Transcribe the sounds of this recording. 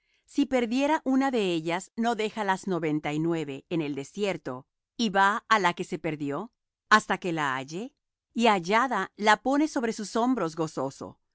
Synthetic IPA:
sipe̞ɾðje̞ɾaʔunaðe̞eʎazno̞ðe̞xalazno̞βe̞nt̪ainwe̞βe̞ːne̞ld̪e̞sje̞ɾt̪o̞ | iβaːlake̞se̞pe̞ɾðjo̞ | ast̪ake̞laa̰ʝe̞ | iaʝaðalapo̞ne̞so̞βɾe̞suso̞mbɾo̞zɣo̞so̞so̞̰

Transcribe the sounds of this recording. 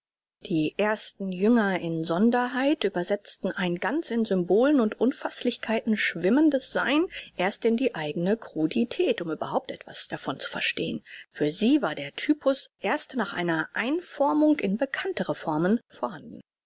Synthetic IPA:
d̥iːʔeːɐstn̩jʏŋɐɪnzɔndɐɦaɪtʔyːbɐzɛt͡stn̩ʔaɪnɡant͡sɪnzʏmboːlənʊntʔʊnfaslɪçkʰaɪtn̩ʃv̥ɪməndəsz̥a̰ɪnʔeːɐstɪndiːʔaɪɡənəkʁ̥uditʰɛːtʊmʔyːbɐhaʊp̚tʔɛ̰tv̥a̰sd̥afɔnt͡su̥fɛɐʃteːənfyːɐziːvaːɐdeːɐtʰyːpʰʊsʔeːɐstnaːχʔa̰ɪnɐʔaɪnfɔɐmʊŋkɪnbəkʰantəʁəfɔɐmənfoːɐhandn̩

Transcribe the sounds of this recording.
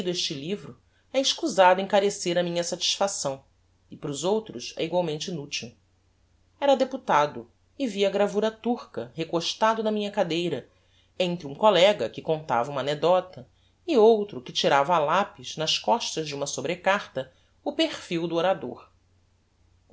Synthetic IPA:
d̪ʊeʃt͡ʃɪlivɾʊ | ɛɪʃkuzad̪ʊẽŋkaɾeseɾɐmĩɲɐsat͡ʃi̥sfasɐ̃w̃ | ɪpɾʊzowt̪ɾʊsɛ̰iɡwawmẽnt͡ʃɪnut͡ʃiw | ɛɾɐd̪eput̪ad̪ʊ | ɪviɐɡɾavuɾɐt̪uχkɐɦekoʃt̪ad̪ʊnɐmĩɲɐkad̪ejɾɐ | ẽnt̪ɾɪũkolɛɡɐkɪkõnt̪a̰vɐũmɐaned̪ɔt̪ɐ | ɪowt̪ɾʊkɪt͡ʃiɾavɐalapiznɐskɔʃt̪ɐzd͡ʒɪũmɐsobɾekaɾt̪ɐ | ʊpeχfiwd̪ʊoɾad̪oɾ

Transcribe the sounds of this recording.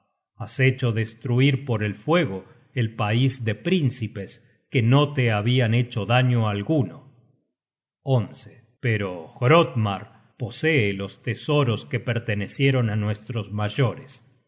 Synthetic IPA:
aset͡ʃo̞ðest̪ɾuiɾpo̞ɾelfwe̞ɣ̞o | elpaizd̪epɾinsipes | keno̞t̪eaβiane̞t͡ʃo̞ðaɲoalɣuno | onse | peɾoɣɾot̪maɾ | po̞seːlost̪esoɾoskepeɾt̪enesje̞ɾo̞nanwe̞st̪ɾozmaʒoɾes

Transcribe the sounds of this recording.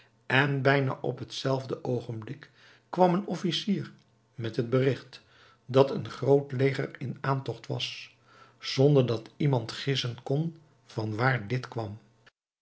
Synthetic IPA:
ʔɛnbɛjna̰ːʔɔ̰pɦətsɛlˠvdəʔowχənblɪkː | ʋɑmənɔfisiːr | mɛtɦəd̚bərɪχt | dɑtənχrowtlejχə̰rɪnaːntɔχtʋɑ̰s | z̥ɔndəɹdɑtimɑntχɪsənkɔn | v̥ɑnʋaːɹdɪtkʋɑm

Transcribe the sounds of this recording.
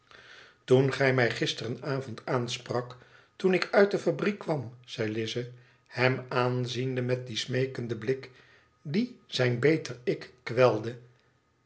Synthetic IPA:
tunχɛjmɛjχɪstərənaːvɔntaːnsprɑk | tunɪkœɥt̚dəfabrikʋɑmz̥ɛjlɪzə | hɛmaːnzindəmɛt̚dismejkəndəblɪk | diz̥ɛjnbejtərɪkːʋɛlˠdə

